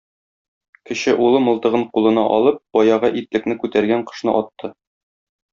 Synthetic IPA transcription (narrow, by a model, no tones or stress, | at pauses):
kɘ̆ɕɘʔulˠɤmɤ̆lˠt̪ɤ̆ʁɤɴqulˠɤ̆nɑʔɒlˠɤp̚b̥ɒjɑʁɑʔit̪lɘ̆knɘkʉt̪æɾɡæɴqɤ̥̆ʃnɤ̰ʔɒt̪ːɤ